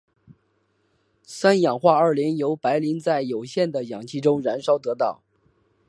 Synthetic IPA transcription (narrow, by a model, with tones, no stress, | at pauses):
sa˥njɑ˨˩ŋxwa˥˧ə˞˥˩ljɛ˧˥njo˧˥ʊpa˧˥ɪli˧˥ŋt͡sa˥˩ɪjo˨˩ʊɕjɛ˥˩nd̪ə˩jɑ˨˩ŋt͡ɕʰi˥˩ʈ͡ʂʊ˥ŋɻa˧˥nʂɑ˥ʊt̪ɤ˧˥t̪ɑ˥˩˦ʊ